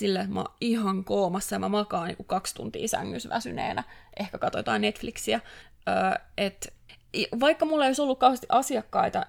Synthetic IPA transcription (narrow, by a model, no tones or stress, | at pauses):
silːoet̪mɑ̰ihɑŋkoːmɑsːɑjɑmæmɑkɑːnnḭːŋkukɑkst̪ṵnt̪ḭːsæ̰ŋːysʋæ̰synḛːnæʔehkækɑt̪ojot̪ɑ̰ːˑnnet̪fliksiæ | øːʔet̪ | ʋɑikːɑmulːeijosolːukkɑuhest̪iʔɑsiɑkːɑit̪ɑ